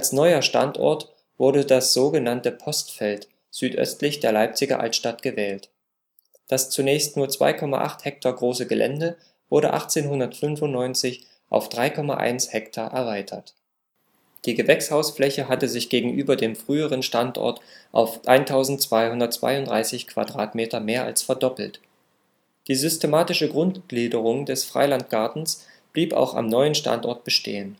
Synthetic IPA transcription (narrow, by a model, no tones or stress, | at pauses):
ʔalsnɔʏɐʃta̰ntʔɔ̰ɐt | v̥ʊɐdədasz̥oːɡənantəpʰɔstfɛlt | z̥yːtʔœ̰stlɪçd̥eːɐlaɪp̚t͡sɪɡɐ̰ʔa̰ltʃtatɡ̥əvɛːlt | d̥ast͡sunɛːçstnuːɐt͡sv̥a̰ɪkʰɔma̰ʔa̰χthɛk̚tʰaːɡʁoːsəɡəlʔɛ̰ndə | v̥ʊɐɾə̰ʔa̰χt͡seːnɦʊndɐtfʏnfʊnnɔʏnt͡sɪç | ʔa̰ʊfd̥ʁaɪkʰɔma̰ʔa̰ɪnshɛktʰaːʔɛɐvaɪtʰɐ̰t | d̥iːɡəvɛkshaʊsflɛçəɦatəzɪçɡ̥eːɡŋ̩ʔyːbɐdeːmfʁ̥yːəʁ̞ənʃtantʔɔ̰ɐtʔaʊfʔaɪntʰaʊzn̩t͡sv̥aɪhʊndɐtt͡sv̥a̰ɪʊntdʁa̰ɪsɪçkv̥a̰dʁaːtmeːtɐmeːɐʔa̰lsfɛɐdɔpl̩t | d̥iːzʏstemaːtɪʃəɡʁʊntɡ̥liːdəʁ̞ʊŋdɛsfʁ̥a̰ɪlant̚ɡ̥aɐtn̩sb̥liːpa̰ʊxa̰mnɔʏənʃta̰ntʔɔɐt̚b̥əʃtḛːən